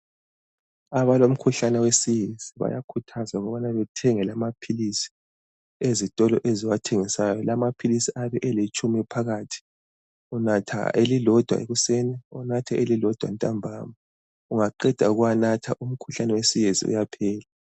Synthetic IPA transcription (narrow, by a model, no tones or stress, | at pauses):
aβalom̩kʰuɬanɛwesijeziβa̰jakʰutʰazauɣɔβanaβɛtʰɛŋɛlamapʰilisi̥ | ezitʼɔlɔʔeziwatʰeŋisajɔlamapʰilisiaβɛʔɛlet͡ʃʼumiɛpʰaɣaːtʰi̥ | unatʰa̰elilɔd̥ʱwa̰ʔḛɣusɛnɛunatʰɛʔelilɔd̥ʱwa̰ntʼambʱaːma | uŋaǃɛd̥ʱa̰uɣuwanatʰaʔum̩kʰuɬanɛwesijezḭṵjapʰɛːla